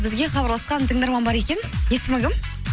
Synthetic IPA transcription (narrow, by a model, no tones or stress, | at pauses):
bɪzɡʲe̞χɑbɑɾlˠɑsqɑnt̪ʰəŋd̪ɑɾmɑnbɑɾe̞kʲe̞nje̞sɪmɪɡʲɪm